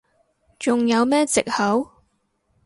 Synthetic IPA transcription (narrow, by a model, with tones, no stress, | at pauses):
t͡sʊ˨ŋjɐ˨˧wmɛː˥t͡sɪ˨k̚hɐ˨˥w